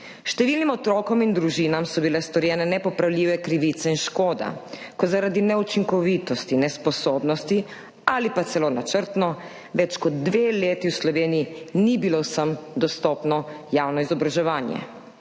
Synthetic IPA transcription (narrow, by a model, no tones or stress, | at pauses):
ʃt̪ɛʋiːlnimɔt̪ɾɔːkɔmind̪ɾuʒinamsɔbilɛst̪ɔɾjɛːnɛnɛpɔpɾawlʲiːʋɛkɾiʋiːt̪sɛinʃkoːd̪a̰kɔzaɾad̪inɛut͡ʃiŋkɔʋiːt̪ɔst̪inɛspɔsoːbnɔst̪i | alipat̪sɛlonat͡ʃəɾt̪nɔ | ʋɛt͡ʃkɔd̪ːʋeːleːt̪iwslɔʋeːnijinibilowsəmd̪ɔst̪ɔːpnɔjaːwnɔizɔbɾaʒɛʋaːnjɛ̰